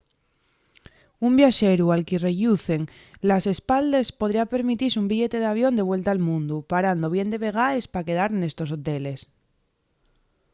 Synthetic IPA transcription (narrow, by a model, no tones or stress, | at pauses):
umbjaʃeɾualkireʎuθe̞ŋ | lase̞spald̪espo̞ð̞ɾiape̞ɾmit̪isumbiʎe̞t̪e̞ð̞aβ̞jo̞nd̪e̞β̞we̞lt̪aːlmũnd̪upaɾand̪o̞β̞je̞nd̪e̞βe̞ɣ̞aespake̞ð̞aɾne̞st̪o̞s̬o̞t̪e̞le̞s